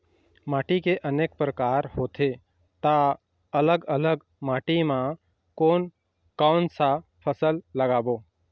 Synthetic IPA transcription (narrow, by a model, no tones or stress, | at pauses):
maːʈikeʔəneːk̚pɾəkaːɾhoːt̪ʰe | t̪a | ələɡələɡ | maːʈimã | koːn | kaʊnsapʰəsəlːəɡaːboː